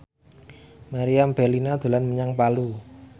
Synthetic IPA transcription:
maɾiamb̥ɛrlinad̪̥ṳlanməɲaŋpalu

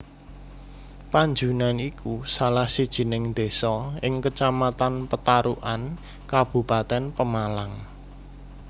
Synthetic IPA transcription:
paɲd͡ʒunanikʰusalahsid̥ʒ̥i̤nɪŋd̪̥esɔɪŋkət͡ʃamat̪anpət̪aɾuʔan | kab̥ṳpat̪ɛnpəmalaŋ

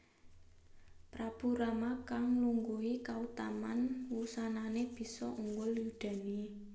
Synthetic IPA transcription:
pɾab̥ṳɾamakaŋluŋɡuɦikaut̪amanwusananeb̥i̤sɔʔuŋɡʊljud̥a̤ni

